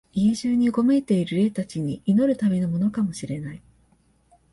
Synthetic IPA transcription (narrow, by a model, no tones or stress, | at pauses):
iʑɨːɲ̟iɡo̞me̞t̪e̞iɾɯ̟ɾe̞ːt̪at͡ɕiɲ̟iʔino̞ɾɯ̟t̪ame̞no̞mo̞no̞kamo̞ɕiɾe̞nai